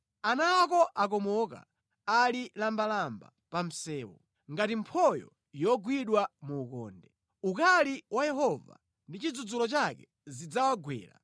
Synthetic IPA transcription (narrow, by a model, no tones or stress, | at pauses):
anaːkɔʔak̬ɔmɔka̰ | alilambalamba̰ | pam̩sɛːwɔ̰ | ŋɡatimpʰɔjɔ̰ | jɔɡwiɗwamuːkɔ̰ːndɛ | ukaliwajɛɦɔva̰ | ndit͡ʃid͡zud͡zulɔt͡ʃakɛ | zid͡zawaɡwɛ̰ːla̰